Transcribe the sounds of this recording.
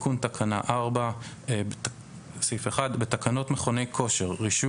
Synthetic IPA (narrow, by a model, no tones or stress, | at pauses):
kuntakʰana̰ʔaʁba | e | sifeχadbetakano̞tmeχo̞ne̞jkʰo̞ʃe̞ʁːiʃu